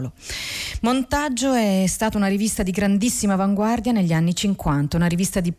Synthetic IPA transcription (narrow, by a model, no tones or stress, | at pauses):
lo | mont̪ad͡ʒːoɛst̪aːt̪aunaɾivist̪ad̪iɡɾand̪isːimavaŋɡward̪janeʎːianːit͡ʃiŋkwant̪aunaɾivist̪ad̪i